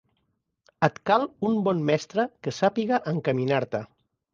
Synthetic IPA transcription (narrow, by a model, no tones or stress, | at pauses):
ət̪kalumbɔnmɛst̪ɾəkəsapiɣaʔəŋkəminaɾt̪ə